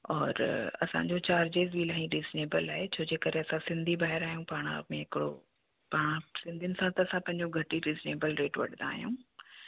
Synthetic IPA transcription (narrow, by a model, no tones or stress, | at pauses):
ɔːɾɐ̰sã̰ɲd͡ʑot͡ɕaːɾd͡ʑeːzbʱilaːɦĩɾiːzneːbəlaːɦet͡ɕʰoːd͡ʑeːkəɾeɐsãsɪ̃nd̪ʱibaːɦɪɾaːɦijũpaːɽ̃a̰mẽɦɪkɪɽo̰ | paːɽ̃ãsɪ̃nd̪ʱiʊnɪ̆sãt̪ɐːsãpɐ̃ɦɪ̃ɲd͡ʑoɡʱɐʈiɾiːzneːbəlɾeːʈʋɐ̰ɗ̤nd̪a̰ːɦijṵ̃